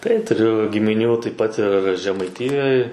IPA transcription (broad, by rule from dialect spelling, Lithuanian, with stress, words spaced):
tɐɪ tʊˈrʲʊ ɡʲɪmʲɪˈnʲuː tɐɪp pɐt ɪr ʒʲɛmɐɪˈtʲɪjoːj